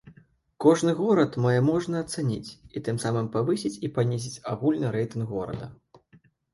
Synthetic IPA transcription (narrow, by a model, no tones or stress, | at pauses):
kɔʐnɨɣɔɾɐt̪majɛmɔʐnɐːt̪sanʲḭt͡sʲit̪ɨmsamɨmpavɨsʲit͡sʲipanʲizʲit͡sʲaɣulʲnɨɾɛjt̪ɨnɡɣɔɾɐ̰d̪ɐ̰